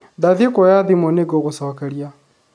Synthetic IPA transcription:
daðikɔjaðimɔneɡɔɣosɔkaɾja

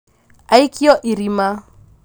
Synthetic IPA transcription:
aikʼiɔʔiɾima

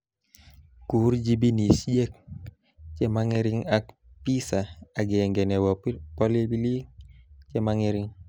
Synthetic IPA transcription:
kuɾd͡ʒibinisd͡ʒɛk̚ | t͡ʃɛmaŋɛɾiŋak | pisaaɡɛŋɡɛnɛwpɔlibili | t͡ʃɛmaŋɛɾiŋ

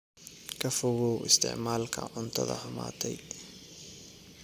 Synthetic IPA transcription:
kʰɐfɔɣɔwʔɪst̪ʰɪ̰ʕmaːlkʰɐ̰ʕʊnt̪ʰɐ̰ðɐ̰hʊma̰ːt̪ʰɛj

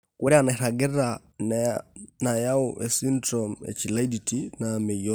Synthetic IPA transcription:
kuɾianaɾaɡɛɾa | n | najaoʔɛsindɾɔmɛ̰t͡ʃilaiditʰinamɛɔ

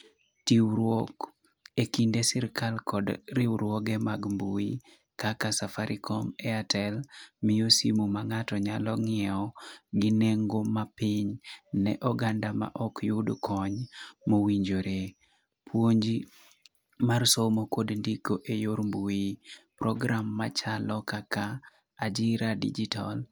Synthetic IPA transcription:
tiwɾwɔk | ekindesɪɾkalkɔdɾiwɾwɔɡemaɡmbui | kakasafaɾʔikʰɔmɛatʰɛlmɪjosimumaŋatɔɲalɔŋɪɛɔɡɪneŋɡomapɪɲnɛ̰ʔɔɡandama̰ʔɔkjʊdkʰɔɲmowiɲd͡ʒoɾe | pwoɲd͡ʒi | marsomokodndikoʔejoɾmbuipɾɔɡɾamːat͡ʃalɔkakaː | d͡ʒiɾadḭd͡ʒitʰa̰l

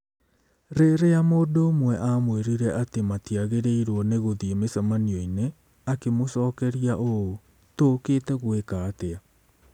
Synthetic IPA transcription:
ɾeɾejamoːndoːmwɛʔamweɾiɾɛʔatematiaɣeɾeiɾwɔneɣoðiemesamaniɔine | akemosɔːkɛɾiaʔoo | toketɛɣwekaːtea

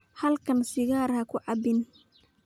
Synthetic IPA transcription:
hɐlkʰɐnsɪɣaːrhɐkʰʊʕɑbɪn

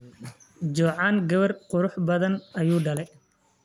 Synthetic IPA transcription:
d͡ʒɔːʕaːnɡɐβɐrqʊɾʊħbɐðɐnɐjuːɖɐlɛj

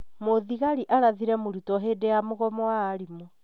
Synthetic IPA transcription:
moðiɣaɾiʔaɾaðiɾɛmoɾutɔɦedejamoɣɔmɔwaːɾimɔ

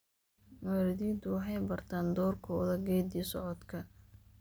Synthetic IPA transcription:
maːɾɪðiːd̪ʊwɑħɑjbɐrt̪ʰaːnd̪ɔːrkʰɔðɐɡɛːd̪isɔʕɔd̪kʰɐ

